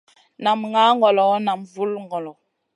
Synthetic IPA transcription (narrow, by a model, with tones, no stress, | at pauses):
na˨mŋa˦ŋɡɔ˨lɔ˨˦na˨mvu˦lŋɡɔ˨lɔ˨